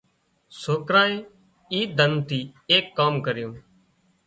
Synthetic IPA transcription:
soːkɾaːeː | iːd̪ənt̪iːeːkːaːmkəɾɪjõː

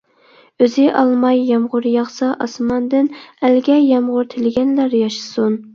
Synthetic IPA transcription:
øzɪʔɑlˠmɑjːɑmʁʊɾjɑχsɑʔɑsmɑnd̪ɪnælɡʲɛjɑmʁʊɾt̪ʰɪlɪɡʲɛnlæɾjɑʃɨ̥sun

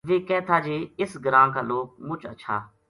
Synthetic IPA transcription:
ʋeːkɛːt̪ʰaːd͡ʒeːɪsɡɾãːkaːloːk̚mʊt͡ʃə̰ʃʰa̰ː

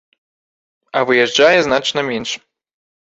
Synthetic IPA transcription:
ɐvɨjɛʐd͡ʐajɛznat͡ʂnɐmʲɛnʂ

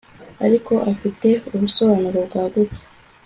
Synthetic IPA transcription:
a̰ɾiko̞ʔafite̞umuso̞βaːnuɾo̞bɡaːɡut͡se̥

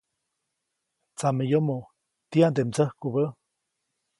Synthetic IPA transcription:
t͡samejomo | t̪iand̪emt͡səhkubə

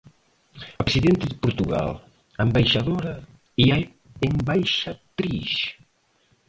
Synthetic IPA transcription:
oksiðent̪eðpuɾt̪uɣa̰lˠ | əmbajʃaðoɾɐ | ia | embajʃat̪ɾḭʃ

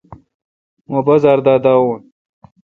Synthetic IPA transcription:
mobɐzaːɾd̪aːd̪aːwoːn

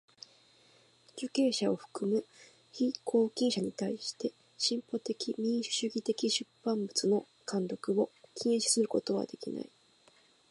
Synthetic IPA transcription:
d͡ʑɨke̞ːɕao̞ɸɯ̟̥kɯ̟mɯ̟ | çikʰo̞ːkʲĩɰ̃ɕaɲ̟it̪aiɕi̥t̪e̞ | ɕĩmpo̞t̪e̞kʲimʲĩɰ̃ɕɕɨɡʲit̪e̞kʲiɕɨpːãmbɯ̟t͡sɨno̞ | kãnd̪o̞kɯ̟o̞kʲʰĩɕi̥sɨɾɯ̟ko̞t̪o̞βa̰d̪e̞kʲḭna̰i

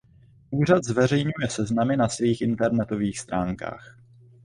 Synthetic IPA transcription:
ʔuːrad̪zvɛr̝ɛjɲujɛsɛznamɪnasviːxʔɪnt̪ɛɾnɛt̪o̞viːxst̪ɾaːŋka̰ːx

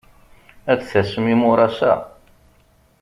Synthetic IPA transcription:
æt͡sːθæsəmimʊɾˤɑsæ̰

